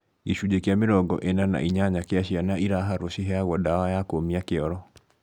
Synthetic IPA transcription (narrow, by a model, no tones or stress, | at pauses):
iʃud͡ʒekjamɪɾɔɡɔ̰ʔenana̰ʔiɲaɲakeaɕianaiɾaɦaɾoʃiɦɛaɣwɔdawajakomiakeɔɾɔ